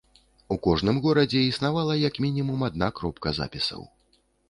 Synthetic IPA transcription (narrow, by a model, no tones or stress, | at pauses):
ukɔʐnɨmɣɔɾɐd͡zʲɛisnavalˠɐjɐkmʲinʲimumad̪̚nakɾɔpkɐza̰pʲisɐ̰w